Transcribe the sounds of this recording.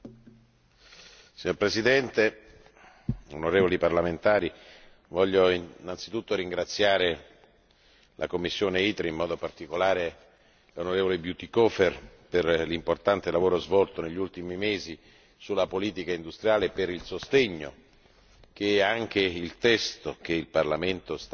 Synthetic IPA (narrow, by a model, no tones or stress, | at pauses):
siɲːoɾpɾesid̪ɛnt̪e | o̰noɾeːvoliparlament̪aːɾi | vɔʎːoinːant̪sit̪ut̪ːoɾiŋɡɾat̪sːjaːɾe | lʔa̰komːisːjoːneiːt̪ɾeimːɔːd̪opart̪ikolaːɾe | lonoɾeːvolebjut̪ikɔːferperlimport̪ant̪elavoːɾozvɔlt̪oneʎːult̪imimeːzi | sulːapoliːt̪ikaind̪ust̪ɾjaːlepeɾilsost̪eɲːo̰ | k̟eaŋk̟eilt̪ɛst̪ok̟eilparlament̪os